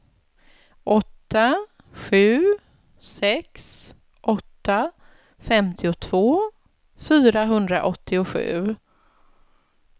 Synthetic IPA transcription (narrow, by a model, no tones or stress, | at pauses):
ʔɔt̪ːa | ɧʉ̟ː | sɛks | ʔɔt̪ːa | fɛmt̪ʰɪʊt̪ʰv̥oː | fyːɾaɦɵnd̪ɾa̰ʔɔt̪ʰːɪʊɧʉ̟̰ː